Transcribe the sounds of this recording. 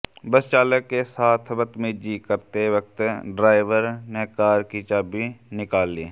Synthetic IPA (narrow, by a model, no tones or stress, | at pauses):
bəst͡ʃaːləkːesaːt̪ʰbət̪mẽd͡ʒiːkəɾt̪eʋək̚t̪ɖɾaːɪʋəɾnɛːkaːɾkit͡ʃaːbinɪkaːlːiː